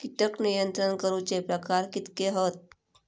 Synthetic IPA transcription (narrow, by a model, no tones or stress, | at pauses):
kit̪əknijənt̪ɾəɳkəɾũt͡ɕepɾəkaɾkit̪keɦot̪̚